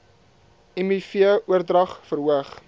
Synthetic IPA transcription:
ɛmifiəʔuərdrɐχfəɾuəχ

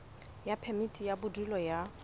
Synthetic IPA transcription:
japʰɛmitʼijabʊdilɔja

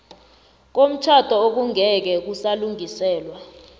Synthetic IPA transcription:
k̬om̩t͡ʃʰatʰʼɔok̬uŋɛk̬ɛk̬usaluŋisɛːlwa

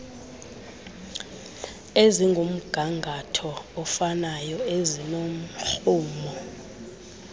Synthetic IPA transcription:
eziŋɡʱom̩ɡ̥ʱaŋɡʱatʰɔːfanajɔezinom̩ɬuːmɔ

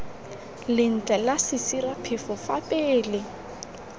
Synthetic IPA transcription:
lɪn̩t͡ɬʼalasɪsirapʰɪfʊfapʼɪːlɪ

